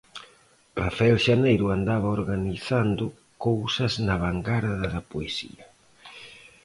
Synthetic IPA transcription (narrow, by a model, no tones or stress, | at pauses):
rafaelʃanejɾʊand̪aβ̞ɐoɾɣaniθand̪ʊ | kowsɐznɐβaŋɡaɾɐðɐðɐpoesḭɐ